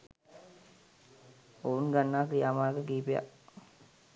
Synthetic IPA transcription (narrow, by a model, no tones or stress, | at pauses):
ounɡanːaːkɾijaːmaːɡəɡiːpeja̰